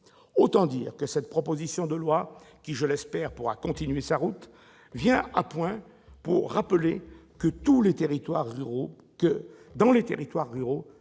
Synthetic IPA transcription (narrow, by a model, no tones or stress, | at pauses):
ot̪ɑ̃d̪iːʁkəsɛt̪̚pχɔpozisjɔ̃d̪əlwa | kʲiʒəlɛspɛʁpuʁakɔ̃t̪inɥesaʁut̪ | vjɛ̃apwɛ̃ | puʁːapəlekət̪ulet̪eʁit̪waʁːyʁo | kə | d̪ɑ̃let̪eʁit̪waʁːyʁo